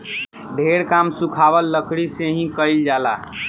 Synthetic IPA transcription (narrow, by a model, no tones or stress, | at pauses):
ɖʱeɾkamsũkʰabəlːəkʰɽiseɦĩkəɪld͡ʒala̰